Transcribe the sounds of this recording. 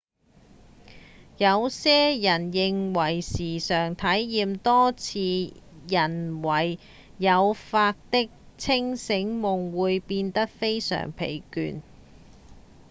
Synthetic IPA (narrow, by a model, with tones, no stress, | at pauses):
jɐ˨˧wsɛː˥jɐ˨˩njɪ˨ŋwɐ˨˩jsiː˨˩sœː˨˩ŋt̪ʰɐ˨˥jjiː˨mt̪ɔː˥t͡sʰiː˨˧jɐ˨˩nwɐ˨˩j | jɐ˨˧wfaː˧k̚t̪ɪ˥k̚ | t͡sʰɪ˥ŋsɪ˨˧˥ŋmʊ˨ŋwuː˨˧jpiː˧nt̪ɐ˥k̚fe˥jsœ̰ː˨˩ŋpʰḛ˨˩jky̰ː˨˧n